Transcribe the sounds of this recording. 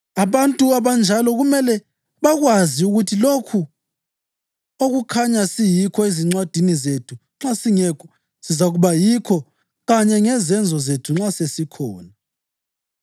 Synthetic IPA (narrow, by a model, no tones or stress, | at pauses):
aβantʼuaβand͡ʒʱalɔɣumɛlɛ | βaɣwaziuɣutʰilokʰu | oɣukʰaɲasijikʰɔeziŋ͡ǀwad̥ʱinizetʰuŋ͡ǁasiŋɛkʰɔ | sizaɣuβajikʰɔ | ɣaɲɛŋɛzɛnd͡zʱɔzetʰuŋ͡ǁasesikʰɔːna